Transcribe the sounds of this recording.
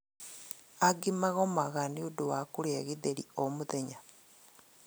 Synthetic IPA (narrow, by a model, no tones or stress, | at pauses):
aɡimaɣomaɣaniuduwakuɾeɣiðeɾḭomuðeɲa